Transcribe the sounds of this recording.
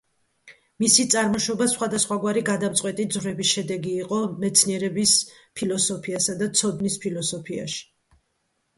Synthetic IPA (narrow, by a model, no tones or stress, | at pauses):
misit̪sʼaɾmɔʃɔbasχwad̪asχwaɡwaɾiɡad̪amt̪sʼwɛt̪ʼid̪zʁɾɛbisʃɛd̪ɛɡiːqʼɔmɛt̪sʰniɛɾɛbis | pʰilɔsɔpʰiasad̪at̪sʰɔd̪nispʰilˠɔsɔpʰia̰ʃi̥